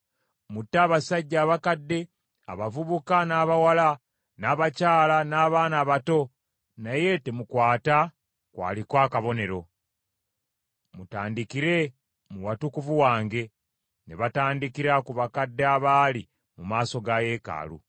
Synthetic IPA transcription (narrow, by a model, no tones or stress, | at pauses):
mutːaːβasaɟːaːβakadːe̞ | a̰βavuβukanaːβawala | naːβacaːlanaːβaːnaːβato̞ | naje̞temukwaːta | kwa̰ːlikwaːkaβo̞ne̞ɾo̞ | mutaːndikiɾe̞ | muwatukuvuwaːŋɡe̞ | neβataːndikiɾakuβakadːeaβaːli | mumaːso̞ɡaje̞ːka̰ːlṵ